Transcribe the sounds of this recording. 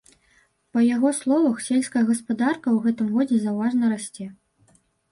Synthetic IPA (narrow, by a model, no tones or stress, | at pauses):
pɐjaɣɔslˠɔvɐxsʲelʲsʲkɐjɐɣɐspad̪arkɐwɣɛt̪ɨmɣɔd͡zʲɛzawvaʐnɐɾasʲt͡sʲɛ